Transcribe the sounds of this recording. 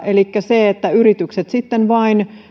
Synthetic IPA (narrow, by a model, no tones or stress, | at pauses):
ʔelikːæseet̪ːæyɾit̪ykset̪sit̪ːenʋɑin